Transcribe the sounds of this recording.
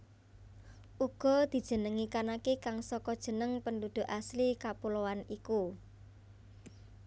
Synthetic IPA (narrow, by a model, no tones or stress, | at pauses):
ʔuɡ̥ɔ̤d̪̥i̤d̥ʒ̥ə̤nəŋikanakekaŋsɔkɔd̥ʒ̥ə̤nəŋpənd̪ud̪̥ṳʔaslikapulowaniku